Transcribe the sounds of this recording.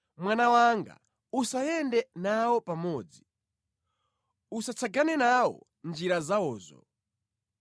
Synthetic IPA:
mwanawaŋɡa̰ | usajɛndɛnawɔpamɔːd͡zi | usat͡sʰaɡanɛnawɔ̰ | nd͡ʒiɾazaɔːzɔ̰

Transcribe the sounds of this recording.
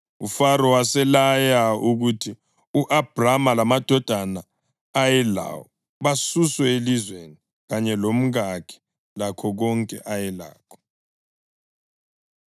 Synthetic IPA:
ufaɾɔwasɛlajauɣutʰi | uʔab̥ʱramalamad̥ʱɔd̥ʱana | ajɛla̰wɔ | βasuswɛelizweni | ɣaɲɛlom̩ɣakʰɛ̥ | lakʰɔɣɔŋkʼɛ̰ʔajɛla̰ːkʰɔ̥

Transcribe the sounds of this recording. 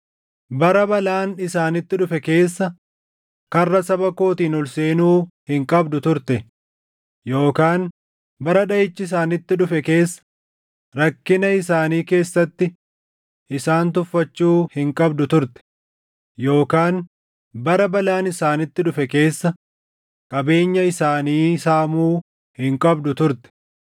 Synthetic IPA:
bɐɾɐbɐlaːnɪsaːnɪt̪ːɪᶑʊfɛke̞ːsːɐ | kɐrːɐsɐbɐko̞ːt̪iːnɔlse̞ːnuːhɪŋkʼɐbd̪ʊt̪ʊɾt̪ɛ | jo̞ːkaːn | bɐɾɐᶑɐɪt͡ʃːɪɪs̬aːnɪt̪ːɪᶑʊfɛke̞ːsːɐ̥ | ɾɐkːɪnɐɪsaːniːke̞ːsːɐt̪ːɪ | ʔɪsaːnt̪ʊfːɐt͡ʃːuːhɪŋkʼɐbd̪ʊt̪ʊɾt̪ɛ̥ | jo̞ːkaːn | bɐɾɐbɐlaːnɪsaːnɪt̪ːɪᶑʊfɛke̞ːsːɐ | kʼɐbe̞ːɲːɐɪsaːniːsaːmuː | hɪŋkʼɐbd̪ʊt̪ʊɾt̪ɛ̥

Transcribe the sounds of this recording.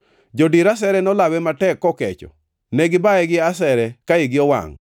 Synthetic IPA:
d͡ʒodiɾas̬ɛɾɛnɔlawɛmatɛkːɔkɛt͡ʃɔ̰ | nɛɡɪbaɛɡɪasɛɾɛkaɪɡɪɔwa̰ŋ

